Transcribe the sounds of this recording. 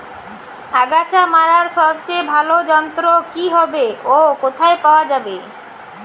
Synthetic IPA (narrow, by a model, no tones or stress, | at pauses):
aɡat͡ɕʰamaɾaɾʃɔbt͡ɕejbʱalod͡ʑɔnt̪ɾokiɦɔbeokot̪ʰaepaoad͡ʑabe